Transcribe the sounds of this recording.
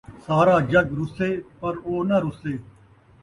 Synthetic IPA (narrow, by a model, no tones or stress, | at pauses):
saːɾaːd͡ʒəɡɾʊseːpəɾoːnəɾʊseː